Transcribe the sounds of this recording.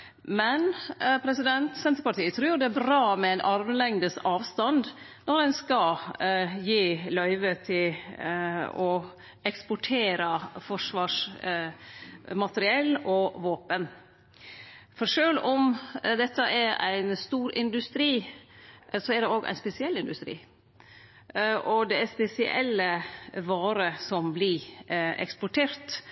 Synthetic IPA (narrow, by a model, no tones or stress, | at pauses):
mɛnpʰɾɛsɪd̪ɛnt̪sɛnt̪ɾəpɑʈʰiːət̪ʰɾʉːjʊd̪ɛæbɾɑːmɛæɪnʔɑɾʋəlɛŋd̪əsɑːʋst̪ɑnd̪ | nɔɾɛnskɑ | jiːlœʏʋət̪ʰɪl | ɔ | ɛkspʊʈʰeːɾəfɔʂʋɑːʂ | mɑt̪əɾɪɛlːɔʋoːpən | fɔɾʂøːlɔmd̪ɛt̪ːəʔæɾæ̰ɪnst̪uːɾɪnd̪ʉst̪ɾiː | sɔæɖɛoːɡæ̰ɪspɛsɪɛlːɪnd̪ʉst̪ɾḭː | ʔɔd̪ɛæspɛsɪʔɛ̰lːəʋɑːɾəsɔmblɪɛ̰kspʊʈʰeːɾt̪